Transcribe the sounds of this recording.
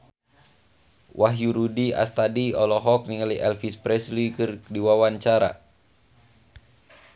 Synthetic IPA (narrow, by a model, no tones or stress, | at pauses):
wʔaɦjuɾudia̰st̪adiɔlɔɦɔk̚niŋaliʔɛlfispɾɛslikɨrdiwawaɲt͡ʃaɾa̰